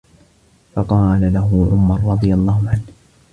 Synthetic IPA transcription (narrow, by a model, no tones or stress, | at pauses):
fɑqɑːlalaɦʊʕʊmɑɾˤɾˤɑd̪ˤɨjalˤːɑːhʊʕan